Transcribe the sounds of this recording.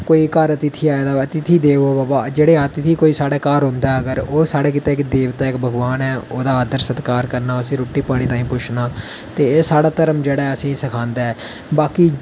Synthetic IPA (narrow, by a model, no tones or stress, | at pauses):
koːiːkəɾət̪ɪt̪ʰiːaːed̪aːət̪ɪt̪ʰiːd̪eːʋoːbaːbaːd͡ʒeːɽeːaːt̪ɪt̪ʰiːkoːiːsaːɽeːkaːɾɦõːnd̪aːəɡəɾoːsaːɽeːk̬ɪt̪aːɪkd̪eːʋt̪aːɪkbʱəɡʋaːnɛːoːd̪aːaːd̪əɾsət̪kaːɾkəɾnaːəsĩːɾoːʈːiːpaːɽ̃iːt̪ãːĩːpʊt͡ʃʰnaː | t̪eːeːsaːɽaːt̪əɾəmd͡ʒeːɽaːəsĩːsəkʰãːnd̪aːɛː | baːkiː